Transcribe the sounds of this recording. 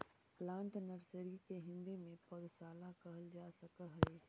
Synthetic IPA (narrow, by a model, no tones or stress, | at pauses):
plãːɳʈnəɾsəɾikeɦɪ̃nd̪imẽpɔd̪saːlakɐɦəld͡ʒaːsɐkəɦeː